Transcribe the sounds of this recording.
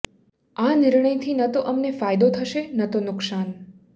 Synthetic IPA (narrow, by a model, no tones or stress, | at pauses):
anɪɾɳəjt̪ʰinət̪oʔəmnefajd̪ot̪ʰəʃenət̪onʊksan